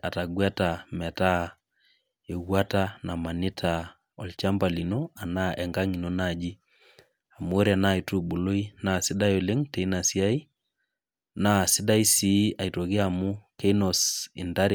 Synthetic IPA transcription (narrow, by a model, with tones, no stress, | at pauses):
a˨ta˨ɡwa˦ta˨mɛ˨ta˦ | e˨wwa˦tana˨ma˨nɪ˦tʰa˨ | ɔ˨lt͡ʃa˦mba˨li˨no˦a˨na˦ʔɛ˨ŋɡa˦ŋi˨no˦nad͡ʒi˦ | a˨mu˦o˦ɾi˦a˨na˦e˨tu˦ɓo˨lo˦i˦na˨si˦ɗa˦jo˨le˦ŋte˨i˦na˨si˦a˦i˦ | na˦si˦da˦i˦si˨a˨i˨to˨ɣi˦amu˦ke˦ino˨sḭ˨nda˦ɾi˨